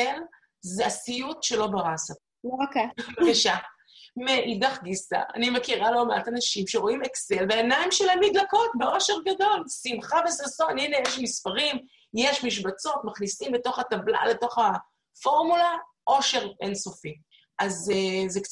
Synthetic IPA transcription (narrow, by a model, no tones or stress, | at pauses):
el | zeasijutʃe̞lo̞baʁasa | okevakaʃa | meʔidaχɡisa̰ʔa̰nimekiʁalo̞meatanaʃimʃeʁo̞imekse̞lveenaimʃelamidlako̞tbeo̞ʃe̞ʁɡado̞lsimχavesasoninejeʃmispaʁim | jeʃmiʃ̬bat͡so̞tmaχnisimleto̞χatabla̰leto̞χa | fo̞ʁmula | ʔoʃe̞ʁenso̞fi | ʔazzek